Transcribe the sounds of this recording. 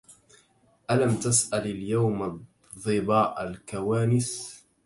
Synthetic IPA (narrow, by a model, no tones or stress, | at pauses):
ʔalamt̪asʔalaljawm | ðˤɨbɑːʔalkawaːnɪs